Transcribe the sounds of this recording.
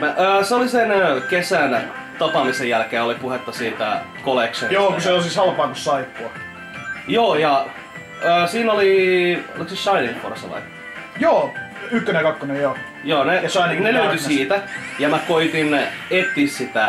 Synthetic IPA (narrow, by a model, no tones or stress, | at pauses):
mæʔəːseolisenkesæn | t̪ɑpɑmisejælkeːolipuhet̪ːɑsiːt̪æ̰koleksonjoːkuseosisɑlpɑːkusːɑipːuɑ | joːjɑ | əːsiːnolḭliksiʃɑineŋko̰rsɑ̰lɑ̰i | joːykːønekɑkːonejjoː | joːneɑinneløyt̪ysiːt̪æjɑmækoit̪inet̪ːissit̪æ